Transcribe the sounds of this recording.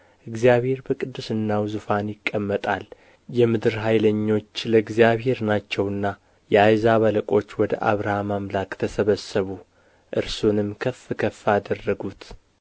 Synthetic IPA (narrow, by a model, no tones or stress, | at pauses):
ʔɨɡzijaβhe̞ɾbəkʼɨd̪ːusɨnːawzufanjɪkʼːəmːət̪ʼal | jɛmɨd̪ɨɾɦajləɲːo̞t͡ʃːləɨɡzijaβɦe̞ɾnat͡ʃːɛwɨnːa | jɛajzaβələkʼo̞t͡ʃːwɔd̪ə̰ʔa̰βɾahamamlakt̪ʰəsəβəsːəβu | ʔɨɾsunɨmkʰəfːɨkʰəfːaːd̪ərːəɡut̪